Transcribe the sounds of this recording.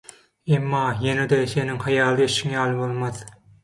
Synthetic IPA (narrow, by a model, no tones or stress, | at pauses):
emːɑːjened̪eseniŋhɑjɑːlˠɯeʃiŋjɑːlˠɯbolˠmɑð